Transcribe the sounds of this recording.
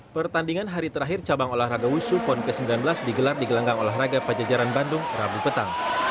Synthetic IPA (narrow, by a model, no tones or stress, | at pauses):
pərt̪andiŋanɦaɾit̪əɾaɦɪrt͡ʃabaŋolahraɡausupɔnkəsəmbilanbəlasdiɡəlardiɡəlaŋɡaŋolaɦraɡapəd͡ʒad͡ʒaɾanbandʊŋrabupət̪aŋ